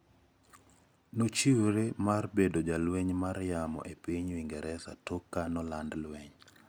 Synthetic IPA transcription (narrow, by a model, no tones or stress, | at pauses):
not͡ʃiwɾemarbedod͡ʒalweɲmarjamɔ̰ʔepiɲwiŋɡɛɾʔɛsa̰tokːanɔlandlweɲ